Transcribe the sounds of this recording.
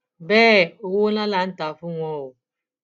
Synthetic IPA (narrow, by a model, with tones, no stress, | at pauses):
bɛː˦˨o˨wo˦na˦la˨˦n̩˦ta˨fu˦ŋʷɔ˦˨wo˨